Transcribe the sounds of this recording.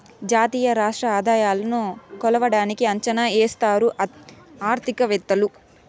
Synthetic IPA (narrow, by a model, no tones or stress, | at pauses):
d͡ʒaːt̪iːjɐɾaːʂʈɾɐaːd̪aːjaːlɐnukɔlɐʋɐɽaːnikiɐɲt͡ʃɐnaːeːst̪aːɾu | aːɾt̪ʰikɐʋɛt̪ːɐlu